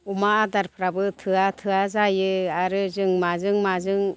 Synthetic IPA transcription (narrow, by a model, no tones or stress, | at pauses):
umaːdaɾpʰɾabɯtʰɯatʰɯazajɯaɾɯzɯŋmazɯŋmazɯŋ